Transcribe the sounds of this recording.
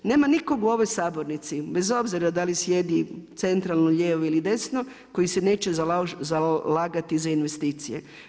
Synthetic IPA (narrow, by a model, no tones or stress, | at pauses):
ne̞ːmaniko̞ɡuo̞ʋo̞jsaːboɾnit̪sibe̞zo̞bziɾad̪alisje̞d̪it̪se̞nt̪ɾalˠnoʎeːʋoilid̪e̞sno | ko̞jisene̞ːt͡ʃezzalaːɡat̪izainʋe̞st̪iːt̪sijḛ